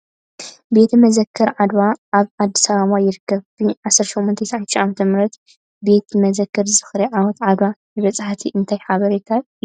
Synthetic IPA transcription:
be̞t̪ʰmɐzɐkʰːɐɾʕad̪waʔaβʕad̪ːi̥saβaβajɪɾɨkːɐβfiʕasːɐɾʃomːɔnt̪ʰɐjsaʕant̪ːʃʔamɐt̪ʰɐmɾɐt̪ | be̞t̪mɐzɐkːɐɾzɨzɨxɾiʕawɔt̪ʕad̪wajɨβɐt͡sʼaħt̪ʰiʔɨnt̪ʰajħaβɐɾet̪ʰat̪

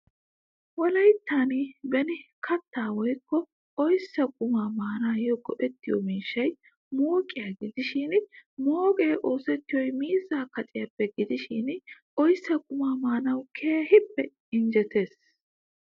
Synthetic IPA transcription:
wɔlɐjt̪ːaːnibɛnɪkʰɐt̪ːaːwɔjkːɔ | ɔjsːɐkʼʊmaːmaːnaːjɔɡɔʔɛt̪ːɪjɔ̰miːʃːɐj | moːkʼːɪjɐɡɪd̪ɪʃɪnmoːɡeːʔo̞ːsɛt̪ːɪjɔjmiːzaːkɐt̪ʼɪjɐpːɛɡɪd̪ɪʃɪnʔɔjsːɐkʼʊmaːmaːnɐwkʰeːhɪpːɛ | ɪnd͡ʒɛt̪e̞ːs

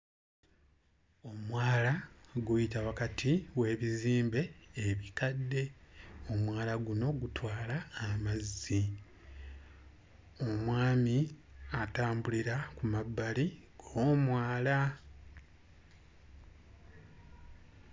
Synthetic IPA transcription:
o̞mwaːlaɡujitawakatʰiwe̞ːβiziːmbe̞ːβikadːe̞o̞mwaːlaɡuno̞ɡutwaːlaːmazːi | o̞mwaːmiataːmbuliɾakumabːali | ɡ̥oːmwaːla

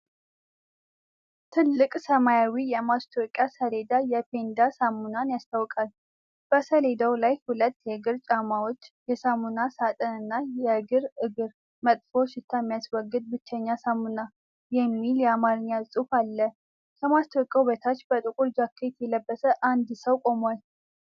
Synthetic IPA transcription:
t̪ʰɨlːɨkʼsəmajawijɛmast̪ʰokʼjasəle̞d̪ajɛpe̞nd̪asamːunanjast̪ʰawkʼal | b̥əsəle̞d̪əwlajhulət̪ːjɛɨɡɨɾt͡ʃʼamawo̞t͡ʃːjɛsamunasat̪ʼənɨnːajɛɨɡɨɾɨɡɨɾ | mət̪ʼfo̞ʃɪt̪ʰːamːijaswɔɡːɨd̪̚bɨt͡ʃːɛɲːasamːuna | jɛmːiljɛamaɾɨɲːjasʼufalːə | kʰəmast̪ʰokʼjauβet̪ʰat͡ʃːbət̪ʼɨkʼuɾd͡ʒakʰːet̪jɛləbːəsəʔand̪səwkʼo̞mal

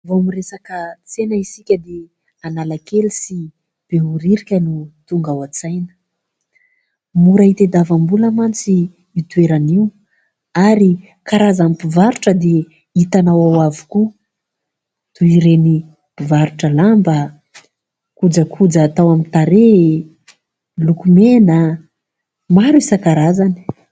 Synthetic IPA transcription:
voamiresakət͡senəisikʲəd̪e | analakelisi | b̥euɾiɾikʲənut̪uŋɡawat͡sajnə̥ | muɾait̪ed̪avambulamant͡siː | t̪ueɾaniw | aɾi | kaɾazamipivaɾuʈ͡ʂəd̪e | it̪anawawavu̥ku | t̪uiɾeni | pivaɾuʈ͡ʂəlamba | kud͡zəkʰud͡zaːt̪awamit̪aɾe | lukumena | maɾuisakaɾazani̥

